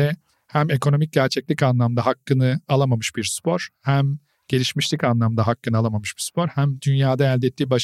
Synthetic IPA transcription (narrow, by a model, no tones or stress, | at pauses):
ɛ | hæme̞kʰo̞no̞mic̚ɟæɾt͡ʃʰɛclʲicanlˠamd̪aɦakːɯnɯalˠamamɯʃb̥iɾspʰo̞ɾ̥hæm | ɟ̥e̞lʲiʃmiʃlʲicanlˠamd̪aɦakːɯnɯalˠamamɯʃbispʰo̞ɾhæmd̪ynjaːd̪aælʲd̪ɛt̪ʰːiːbaʃ